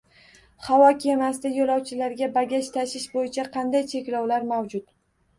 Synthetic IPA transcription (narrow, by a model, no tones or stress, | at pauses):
χawɒkʲʰemast̪ɪjolˠɒwt͡ʃʰɪlaɾɡʲabaɡʲaʃt̪ʰaʃɪʃbojɪt͡ʃʰaqʰɑnd̪ajt͡ʃʰe̞kʲlɒwlaɾmawd͡ʒʊt̪